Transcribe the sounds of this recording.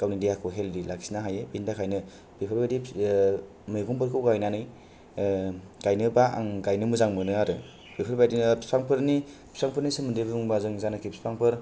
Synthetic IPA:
kawnidijakʰɯɦeldilaksinaɦajebindakʰajnɯ | b̥ipʰaɾbbajdi | mɯjɡɔmpɯɾkʰɯwɡajnanɯj | ɡ̥ajnɯbaaŋɡajnɯmɯzaŋmɯnɯaɾɯ | bipʰaɾbajdispaŋpʰɯɾnipsʰaŋpʰɯɾnisɯmɯndebɯuŋbazɯŋzanakʰipspʰɾaŋpʰɯɾ

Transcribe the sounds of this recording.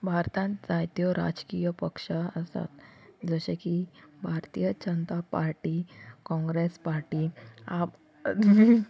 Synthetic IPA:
bʱaɾt̪ãnt̪d͡zajt̪jɔɾa̰d͡zkijəpəkʂəəst̪a̰t̪d͡zəɕekibʱaɾt̪ijəd͡ʑənt̪apaɾʈikɔ̃ŋɡɾespaɾʈiːab

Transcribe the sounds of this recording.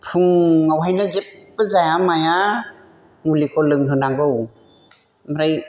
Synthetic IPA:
pʰuŋːawɦajnɯzepːɯzajamaja | mulikʰɔlɯŋɦɯnaɡɯw | mɾaj

